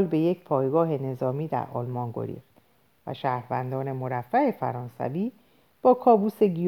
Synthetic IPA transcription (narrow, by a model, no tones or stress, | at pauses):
lbe̞jecʰpʰɒːjɡɒːɦe̞ne̞zɒːmiːd̪æ̰ɾɒ̰ːlmɒnɡo̞̰ɾḭːft̪ | væ̰ʃæːhɾvænd̪ɒːne̞mo̞ɾæfːæefæ̰ɾɒːnsæ̰viː | b̥ɒːkʰɒːbuːse̞ɡi